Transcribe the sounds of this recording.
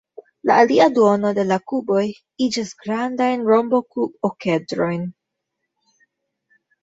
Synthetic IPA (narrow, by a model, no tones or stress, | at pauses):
la̰ːliaduo̞no̞de̞lakubo̞j | id͡ʒisɡɾandajnɾo̞mbo̞kubokedɾo̞jn